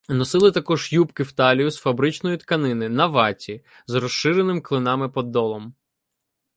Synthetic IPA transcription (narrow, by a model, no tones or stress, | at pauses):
nɔsɪlˠɪt̪ɐkɔʒjupkɪwt̪ɑlʲijʊsfɐbɾɪt͡ʃnɔjʊt̪kɐnɪnɪnɐʋɑtʲi | zrɔʃɪɾenɪmklˠɪnɑmɪpɔd̪ːɔlˠɔm